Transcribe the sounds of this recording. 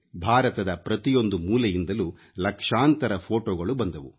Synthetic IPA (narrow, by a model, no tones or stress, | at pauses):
bʱaːɾɐt̪ɐd̪ɐpɾɐt̪ijo̞nd̪umuːlɐjind̪ɐlu | lɐkʂaːnt̪ɐɾɐpʰo̞ːʈoːɡɐɭubɐnd̪ɐʋu